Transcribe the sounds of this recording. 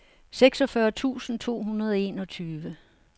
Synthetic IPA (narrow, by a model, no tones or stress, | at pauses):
seɡ̥sɒ̽fɶɐt͡sʰṵːsn̩t͡sʰo̝̰ːɦunɐð̞ˠɒ̽e̝ːnɒ̽t͡sʰyːʋə